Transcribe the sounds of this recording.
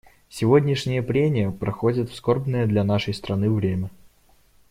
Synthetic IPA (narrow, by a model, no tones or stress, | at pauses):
sʲɪvodʲnʲɪʂnʲɪjəpɾʲemʲɪjəpɾɐxodʲɪt̪fsko̞rbnəjəd̪lʲɐnaʂəjst̪ɾɐnɨvɾʲemʲə